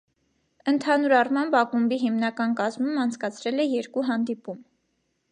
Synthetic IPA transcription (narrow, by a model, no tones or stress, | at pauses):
ənt̪ʰɑnuɾɑrmɑmbɑkumbiɦimnɑkɑnkɑzmumɑnt͡sʰkɑt͡sʰɾɛlɛjɛɾkuɦɑnd̪ipum